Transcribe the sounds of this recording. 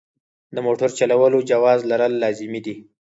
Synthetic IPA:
d̪əmoʈəɾt͡ʃalawəlod͡ʒawɑzlaɾəlːɑzɪmid̪i

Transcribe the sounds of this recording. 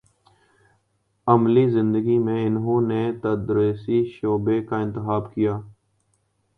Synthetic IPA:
əmlizɪ̃nd̪əɡimẽɪnɦõːnet̪əd̪ɾesiʃoːbekaɪ̃nt̪ɪxaːbkijaː

